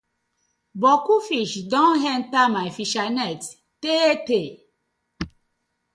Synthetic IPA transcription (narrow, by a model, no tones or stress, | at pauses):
bɔkufiʃdɔ̃nɦɛ̃ntamafiʃanɛt | tete